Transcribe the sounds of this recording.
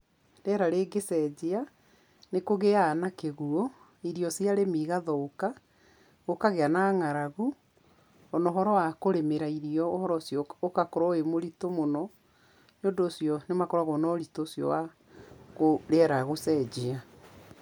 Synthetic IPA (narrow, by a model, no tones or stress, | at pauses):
ɾeɛɾaɾeɡesɛd͡ʑea | nekoɣeaːnakeɣuɔ | iɾiɔsiaɾemiɣaðɔoka | ɣokaɣeanaŋaɾaɣu | ɔnɔɦɔɾɔwakoɾemeɾaiɾiɔohɔɾɔsjɔokakoɾɔemoɾitomonɔ | njondoːsjɔnemakɔɾaɣɔnɔɾitoːsjɔ̰wa | ɣoɾeɛɾaɣosɛd͡ʑea